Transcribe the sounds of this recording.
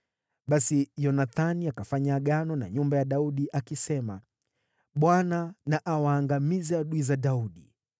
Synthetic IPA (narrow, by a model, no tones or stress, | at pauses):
ɓasijɔnaθaniakafaɲaɠanɔna̰ɲumbajaɗauɗiʔakisɛma̰ | ɓwananaʔawaːŋɡamizɛaɗuizaɗauɗi